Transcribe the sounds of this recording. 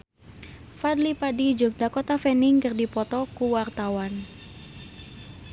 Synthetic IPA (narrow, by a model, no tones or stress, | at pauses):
fadlipadid͡ʒʊk̚dakɔt̪afɛnɪŋkɨrdipɔt̪ɔkuwart̪awan